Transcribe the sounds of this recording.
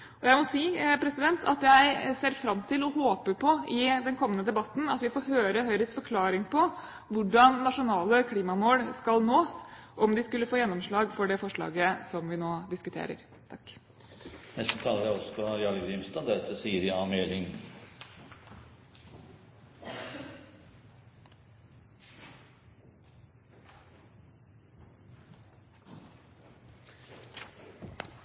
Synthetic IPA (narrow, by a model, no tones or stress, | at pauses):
ɔjæɪmɔsiːpʰɾɛsɪd̪ɛnt̪ʰɑ̰t̪jæɪseːɾfɾɑmːt̪ʰɪlɔhoːpəpʰɔɪd̪ɛnkʰɔmːənəd̪ɛbɑt̪ːn̩ɑt̪ʋɪfɔːɾɦøːɾəɦœʏɾəsfɔɾkʰlɑːɾɪŋpʰɔ | ʋʊɖɑnːɑʂʊnɑːləkʰliːmɑmoːɽskɑlnoːsʔɔmd̪ɪskʉlːəfoːjɛnːɔmʂɭɑːɡfɔɖɛfɔʂɭɑ̰ːɡəsɔmʋɪnoːd̪ɪskʉt̪ʰḛːɾə̰ɾ | t̪ʰɑkː | nɛst̪ət̪ʰɑːləɾæɔsɔ̥pɔjɑləɡɾimst̪ɑːd̪æɾɛt̪əsiːəɾɪɑːmeːlɪŋ